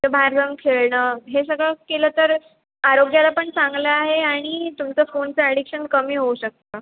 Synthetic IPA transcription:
təbʱaɾd̪ʱəmkʰeɭɳəːɦes̬əɡɭakeləːt̪əɾ | aɾoɡjalapəɳt͡saŋɡləaɦeaɽ̃it̪umt͡səfont͡səəɽikɕənkəmiːɦouɕək̚t̪ə

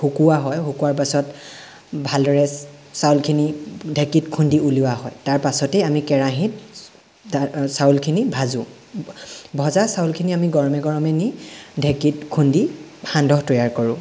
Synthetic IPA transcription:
hukuwaɦɔjɦukuwaɹp̬asɔt | bʱaldɔɹɛsaulkʰinidʱekitkʰundiuliwaɦɔjtaɹpasɔtejamikɛɹaɦit̚ | sawlkʰinibʱazʊ̃ | bʱɔzasawlkʰiniamiɡɔɹɔmɛɡɔɹɔmɛnidʱekitkʰundihandʱɔɦtɔjaɹkɔɹʊ̃

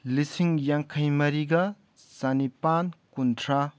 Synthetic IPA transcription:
lisiŋjaŋkʰɐjmɐɾiɡɐ | sanipankuntʰɾa

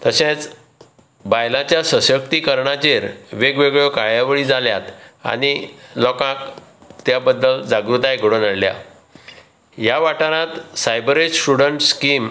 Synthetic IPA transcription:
t̪əɕẽt͡s | bajlãt͡ɕjasəsək̚t̪iːkəɾɳat͡ɕeɾʋeɡʋeɡɭokajjaʋɭiːd͡zaljat̪a̰ñilɔkãkt̪jabəd̪ːəld͡zaɡɾut̪aekɽonəɽlja̰ | jaʋaʈaɾãt̪sajbɾed͡ʑsʈuɽəɳʈskim

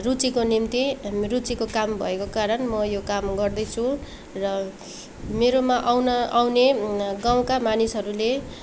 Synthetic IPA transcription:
rut͡sikonimt̪irut͡sikokambʱʌ̰ekokaɾʌnmʌjokamɡʌrd̪ʌjt͡sʰũ | rʌ | meɾomaʔawnʌawneɡaw̃kamanisɦʌɾule

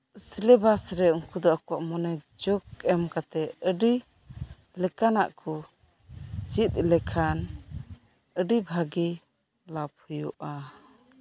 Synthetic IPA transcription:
silɛbasɾɛəŋkud̪ɔakɔwaʔmɔnɛd͡ʒɔk̚ɛmkat̪ɛəɖi | lɛkana̰ʔkʰɔ | d͡ʒit̪̚lɛkʰan | əɖibʱaɡi | lap̚hujɔʔa

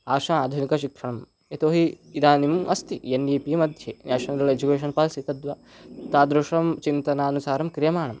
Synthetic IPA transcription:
aːʂaaːd̪ʱunikɐʃikʂɐɳɐm | et̪oːɦiid̪aːnimɐst̪ienɖiːpimɐd̪ʱjenɛːʃɐnɐɾɐled͡ʒukeːʃ̬ɐnpaːlsit̪ɐd̪ʋɐ | t̪aːd̪ɾuʂɐmt͡ʃint̪ɐnaːɐnusaːɾɐmkɾijɐmaːɳɐm

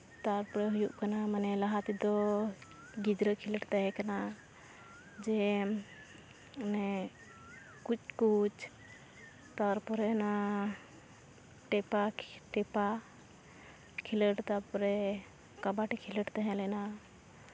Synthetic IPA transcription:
t̪aɾpɔɾɛɦujuʔkanamanɛlaɦat̪id̪ɔ | ɡid͡ʒɾəkʰiləʈt̪aɦɛ̃kana | d͡ʒɛ | nɛ | kut͡ʃkut͡ʃ | t̪aɾpɔɾɛna | ʈɛpaʈɛpa | kʰiləʈt̪apɔɾɛ | kabaʈikʰiləʈt̪aɦɛ̃lɛna

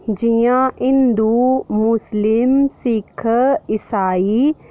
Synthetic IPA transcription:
d͡ʒijãɪ̃nd̪uːmʊslɪmsɪkʰɪsaːiː

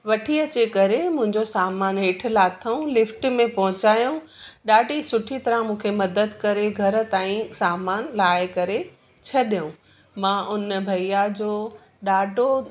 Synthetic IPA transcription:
ʋɐʈʰiɐt͡ɕekɐɾemʊ̃ɦɪ̃ɲd͡ʑosaːmaːnɦeːʈʰʊ̆laːt̪ʰɐũlɪfʈmẽpɐɦʊ̃t͡ɕaːjũ | ɗaːɖʱisʊʈʰit̪ɐɾãmũːkʰemɐd̪əd̪kɐɾeɡʱɐɾə̆t̪aːĩsaːmaːnlaːɪkɐɾe | t͡ɕʰɐɗijũ | mãːʔʊnbʱɐijad͡ʑoː | ɗaːɖʱo

